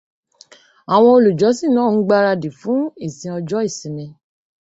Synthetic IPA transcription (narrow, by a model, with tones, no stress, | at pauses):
a˨w̃ɔ̃˧o˧lu˨d͡ʒɔ˨˦si˦˨nãː˦˨n̩˨˦ɡ͡ba˦ɾa˧di˨fũ˨˦i˦˨sĩ˧ɔ˧d͡ʒɔ˦i˦˨sĩ˨nĩ˧